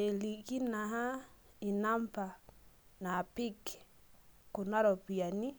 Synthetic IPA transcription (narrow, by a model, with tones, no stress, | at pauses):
e˨li˨ɣi˦na˨ɦa˦i˨na˦mpa˨na˨pi˦k | ku˨na˦ɾɔ˨pia˨ni˦